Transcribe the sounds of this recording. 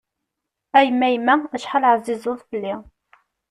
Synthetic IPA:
æjəmːæjəmːææʃħalʕəzizˤʊðˤfəlːi

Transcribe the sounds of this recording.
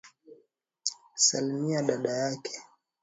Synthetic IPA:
salimiaɗaɗajakʰɛ̥

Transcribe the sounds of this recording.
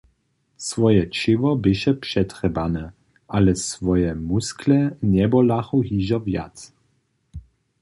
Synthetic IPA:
svɔjɛt͡ʃɪvɔbɪʃɛpʂɛt̪rɛbanɛ | ʔalɛsvɔjɛmusklɛnɛbɔlaxɔɦiʒɔvja̰t̪s

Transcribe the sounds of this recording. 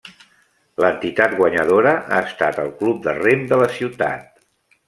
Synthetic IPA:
lənt̪it̪at̪ɡwəɲəðoɾəʔa̰əst̪at̪əlˠklup̚d̪əremd̪ələsiwt̪a̰t̪̚

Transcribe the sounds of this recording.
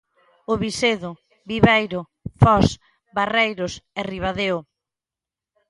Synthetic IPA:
ʊβiseðʊ | biβejɾʊ | fɔs | barejɾʊsɛriβaðeʊ

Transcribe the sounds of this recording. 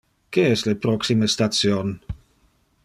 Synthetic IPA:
keɛslepɾɔksimest̪at̪sjon

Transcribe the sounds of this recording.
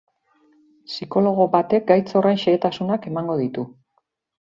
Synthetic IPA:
siko̞lo̞ɣ̞o̞βat̪e̞k̚ɡajt͡so̞rejnʃeːt̪asunake̞maŋɡo̞ðit̪u

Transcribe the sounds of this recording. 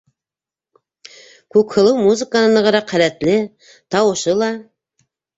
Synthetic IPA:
kɵkhɤ̆lˠɤwmuzɨkanɤ̆nɑʁɑɾɑqʰːælæt̪lɪ | t̪ɑwɤ̆ʃɤlˠɑ

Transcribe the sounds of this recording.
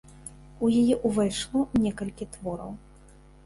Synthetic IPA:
ujajɛʔuvɛjʂlˠɔnʲɛkɐlʲkʲit̪vɔɾɐ̰w

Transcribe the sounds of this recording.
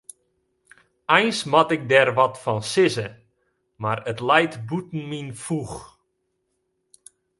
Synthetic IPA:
ɛjnsmatɪk̚dɛrʋɔtfɔnsɪzə | marətlɛjtbutn̩minfux

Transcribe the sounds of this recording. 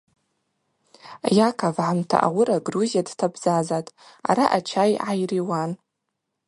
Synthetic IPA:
jakʰavʕamtʰa̰ʔawʊɾaɡruzijadtʰabzazatʼa̰ɾaʔat͡ʃʰajʕajriwan

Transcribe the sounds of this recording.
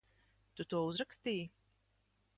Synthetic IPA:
t̪ut̪uɔuzɾakst̪iːj

